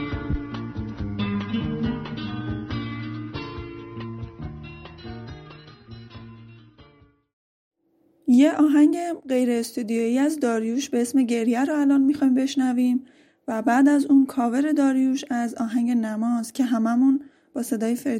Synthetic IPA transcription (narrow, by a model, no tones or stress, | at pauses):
je̞ɒːɦæɲɟe̞ɢe̞jɾe̞ːst̪uːd̪ijojiːæzd̪ɒːɾjuːʃbe̞esme̞ɟe̞ɾjæɾoælɒːnmixɒːiːmbe̞ʃnæviːm | væbæːd̪æzuːnkʰɒːve̞ɾe̞d̪ɒːɾjuːʃæzɒːɦæŋɟe̞næmɒːzcʰe̞ɦæmæmun | b̥ɒːse̞d̪ɒːjefeɾ